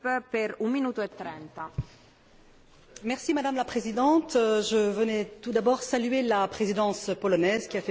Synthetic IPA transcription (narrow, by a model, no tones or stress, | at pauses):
ppɛɾũminuːt̪oet̪ːɾɛnt̪a | mɛʁsimad̪amlapχezid̪ɑ̃t̪ʒəvənɛt̪ud̪abɔʁsalɥelapχezid̪ɑ̃spɔlɔnɛzkʲiafɛ